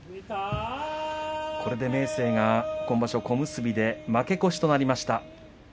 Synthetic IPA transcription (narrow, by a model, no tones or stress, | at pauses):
ko̞ɾe̞d̪e̞me̞ːse̞ːɡakõ̞mbaɕo̞ko̞mɯ̟sɨbʲid̪e̞make̞ko̞ɕi̥t̪o̞naɾʲimaɕi̥t̪a